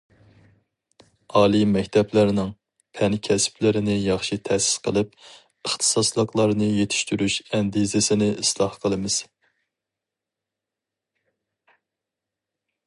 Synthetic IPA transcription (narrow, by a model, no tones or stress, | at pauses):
ɑːlˠimɛkʲt̪ʰɛplæɾnɪŋ | pʰɛnkʲʰɛspʰlɪɾɪnɪjɑχʃit̪ʰɛsɪ̥sqʰəlˠɨp̚ | əχt̪ʰɨ̥sɑslˠəqlˠɑɾnɨjet̪ʰɪ̥ʃt̪yɾyʃɛnd̪izɪsɪnɪislˠɑhqʰəlˠɨmɨz̥